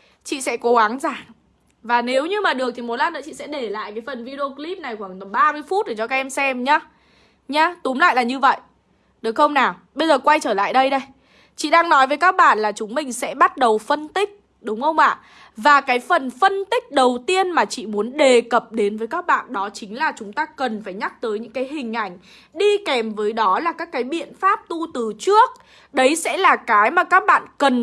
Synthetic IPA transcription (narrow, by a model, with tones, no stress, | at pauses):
t͡ɕḭ˧˨sɛ̰˧˥ko˨˦ɣa˨˦nzaː˧˩ŋ | vaː˨˩ne˨˦wɲɨ˧maː˨˩ɗɨ˨˩ək̚t̪ʰi˨˩mo˨˦laː˧˥nə̰ː˧˦t͡ɕḭ˧˨sɛ̰˧˥ɗe˧˩la̰ː˧˨jkaː˨˦jfə˨˩nvi˧ɗe˧o˧kli˦˥p̚na˨˩jxwaː˧˩ŋt̪ə˨˩ɓaː˧mɨ˧əjfu˦˥t̚ɗe˧˩t͡ɕɔ˧aː˦k̚ʔɛ˧msɛ˧mɲaː˨˦ | ɲaː˨˦t̪ʊ˨˦ŋ͡mmla̰ː˧˨jlaː˨˩ɲɨ˧və̰˧˨jʔ | ɗɨ˨˩ək̚xə˧wŋ͡mnaː˨˩ɓə˧jzəː˨˩kwa˧jt͡ɕəː˧˩la̰ː˧˨jɗə˧jɗə˧j | t͡ɕḭ˧˨ɗaː˧ŋnɔ˨˦jvəː˨˦jkaː˦˥k̚ɓaː˧˨nlaː˨˩t͡ɕʊ˨˦ŋ͡mmï˨˩ŋ̟sɛ̰˧˥ɓa˦˥t̚ɗə˨˩wfə˧nt̪ï˦˥k̟̚ | ɗʊ˨˦ŋ͡mxə˧wŋ͡mʔa̰ː˧˨ | vaː˨˩kaː˨˦jfə˨˩nfə˧nt̪ï˦˥k̟̚ɗə˨˩wt̪i˧ənmaː˨˩t͡ɕḭ˧˨mu˨˦ənɗe˨˩kə˨˩p̚ɗe˨˦nvəː˨˦jkaː˦˥k̚ɓa̰ː˧˨nɗɔ˨˦t͡ɕï˨˦ŋ̟laː˨˩t͡ɕʊ˨˦ŋ͡mt̪aː˧kə˨˩nfaː˧˩jɲa˦˥k̚t̪əː˨˦jɲɨ̰˧˥ŋkaː˨˦jɦï˨˩ŋ̟ʔa˧˩jŋ̟ | ɗi˧kɛ˨˩mvəː˨˦jɗɔ˨˦laː˨˩kaː˦˥kːaː˨˦jɓḭ˧˨ənfaː˦˥p̚t̪u˧t̪ɨ˨˩t͡ɕɨ˦˥ək̚ | ɗə˨˦jsɛ̰˧˥laː˨˩kaː˨˦jmaː˨˩kaː˦˥k̚ɓa̰ː˧˨nkə˨˩n